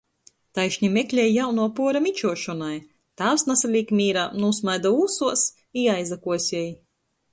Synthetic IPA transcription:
t̪ajʃɲʲimʲeklʲɛjjawnuɔpuɔɾamʲit͡ʃuɔʃɔnaj | t̪aːwsnasalʲiːkmʲiːɾaːnusmajd̪auːsuɔs | iajzakuɔsʲɛj

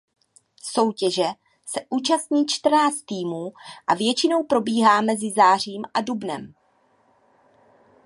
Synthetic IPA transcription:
so̞wcɛʒɛ | sɛʔuːt͡ʃast̪ɲiːt͡ʃt̪r̩naːt͡st̪ːiːmuːʔavjɛt͡ʃɪno̞wpɾo̞biːɦaːmɛzɪzaːr̝iːmʔadubnɛ̰m

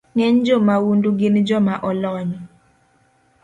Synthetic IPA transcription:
ŋɛɲd͡ʒomawunduɡɪnd͡ʒɔmaʔɔlɔɲɔ

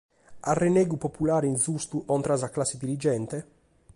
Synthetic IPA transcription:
arːeneːɡupopulaːɾeinzust̪uʔɔnt̪ɾazaklasːed̪iɾid͡ʒɛnt̪e

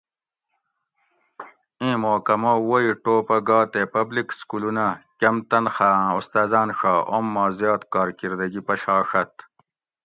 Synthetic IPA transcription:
ĩːmoːkɐmoːwoiʈoːpɐɡaːt̪epɐblikskulunɐkʲɐmt̪ɐnxãːust̪aːzaːnʂaːʔomːaːzjɑːt̪kaːɾkiɾd̪ɐɡipɐɕaːʂɐt̪

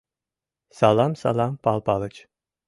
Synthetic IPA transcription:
salˠamsa̰lˠampʰalˠpʰalˠɯt͡ʃ

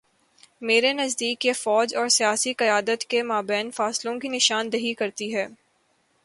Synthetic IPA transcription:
meːɾenɐzd̪iːkjefɔːd͡ʒɔːɾsijaːsiqɐjaːd̪ət̪kemaːbɛːnfaːslõkinɪʃaːnd̪ɐɦikɐɾt̪iɦɛː

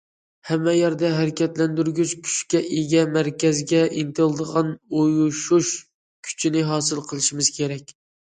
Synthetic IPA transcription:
hɛmːɛjæɾd̪ɛɦæɾɪkʲʰɛt̪lɛnd̪yɾɡʲyt͡ʃkʲʰy̥ʃkʲɛʔeɡʲɛmæɾkʲɛzɡʲɛʔint̪ɨlˠɨd̪əʁɑnojuʃuʃ | kʲʰy̥t͡ʃʰinɪɦɑːsɨlˠqʰəlˠɨʃimɨz̥kʲʰeɾɛkʲ

